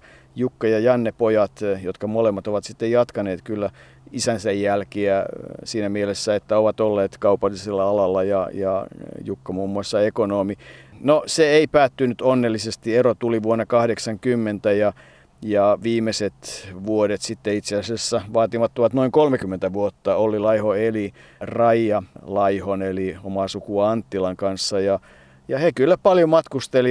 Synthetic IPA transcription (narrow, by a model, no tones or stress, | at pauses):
jukːɑjɑjɑnːepojɑt̪jot̪kɑmolemːɑt̪oʋɑt̪sit̪ːejɑt̪kɑneːt̪kylːæ | isænsejjælkiæsiːnæmielesːæet̪ːæoʋɑt̪olːeːt̪kɑupɑlːiselːɑɑlɑlːɑjɑjɑjukːɑmuːmːuɑsːɑekonoːminoseeipæːt̪ːynyt̪onːelːisest̪ierot̪uliʋuonːɑkɑhɾeksɑŋkymːent̪æjɑ | jɑʋiːmːˑeset̪ʋuoɾet̪sit̪ːeit̪seæsæsːæʋɑːt̪imɑt̪ːoʋɑt̪noiŋkolmekymːent̪æʋuot̪ːɑolilɑihoelirɑijɑlɑihoneliomɑsukuɑɑnt̪ːilɑŋkɑnsːɑjɑ | jɑhekylːæpɑljomɑt̪kust̪eli